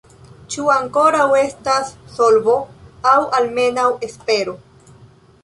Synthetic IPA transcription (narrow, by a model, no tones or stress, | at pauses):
t͡ʃuaŋko̞ɾawe̞stasːo̞lbo̞awalme̞nawe̞spe̞ɾo̞